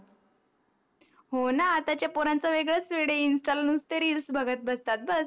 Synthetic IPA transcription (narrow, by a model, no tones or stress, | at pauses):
ɦonaːt̪at͡ɕjapoɾãnt͡saʋeɡɭət͡sʋeɽeinsʈalnust̪eɾilsbʱəɡət̪̚bəst̪at̪̚bəs